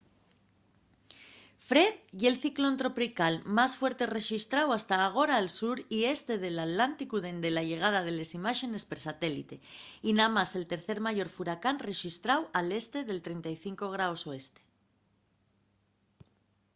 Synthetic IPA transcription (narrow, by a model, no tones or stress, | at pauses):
fɾe̞ðʝe̞lθiklont̪ɾo̞pɾikalmasfwe̞ɾt̪e̞re̞ʃist̪ɾawast̪aːɣ̞o̞ɾaːlsuɾie̞st̪e̞ðe̞lat̪lant̪ikuðe̞nd̪e̞laʝe̞ɣ̞að̞að̞e̞le̞simaʃe̞ne̞speɾsat̪e̞lḭt̪e̞inamase̞lt̪e̞ɾθe̞ɾmaʝo̞ɾfuɾakanre̞ʃist̪ɾawale̞st̪e̞ðe̞lt̪ɾe̞nt̪ajθiŋko̞ɣ̞ɾaoso̞e̞st̪e̥